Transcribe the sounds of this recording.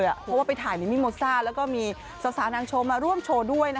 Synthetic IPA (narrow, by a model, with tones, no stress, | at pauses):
jʔa̰˨˩pʰɔ˦˥waː˥˩pa˧jt̪ʰaː˨˦jna˧˦˥miː˧moː˧saː˥˩lɛː˦˥wkɔː˥˩miː˧ | sa˨˦wsaː˨˦naː˧ŋt͡ɕʰoː˧maː˧ɾu˥˩əmt͡ɕʰoː˧du˥˩əjna˦˥